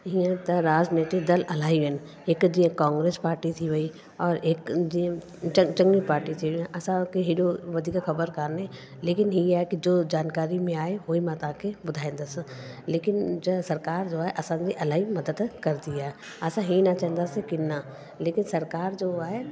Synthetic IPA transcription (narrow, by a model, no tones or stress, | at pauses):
ɦiãt̪ɐɾaːd͡ʒneːʈ̪id̪ɐlʔɐlaːɦiʋɛn | eːkd͡ʒiãkãːŋɡɾeːspaːɾʈit̪ʰiʋɐi | ɔːɾeːkd͡ʒĩ | t͡ʃɐt͡ʃɐ̃ŋɡnipaːɾʈit̪ʰiʋiãʔɐsãkeɦiɗoʋɐd̪ʱiːkaxɐbəɾkaɾnẽ | leːkɪnɦijaːɦekid͡ʒoːd͡ʒaːnkaːɾimẽaːeɦoːimat̪ãːkʰebʊd̪ʱaːẽːnd̪asleːkɪnd͡ʒsɐɾkaːɾd͡ʒoːaːɦeʔɐsãd͡ʒ̪iʔɐlaːɦimɐd̪əd̪kɐɾd̪iaːɦe | ɐsãɦinat͡ʃɛ̃ɦnd̪asekɪnːa | leːkɪnsɐɾkaːɾd͡ʒoːaːɦe